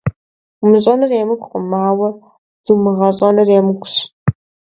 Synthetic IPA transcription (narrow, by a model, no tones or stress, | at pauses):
mɨɕʼɐnɐreːmɨkʷʼqʷʼʊmaːwɐ | z̥ɨmɨʁɐɕʼɐnɐreːmɨɡʷʊɕ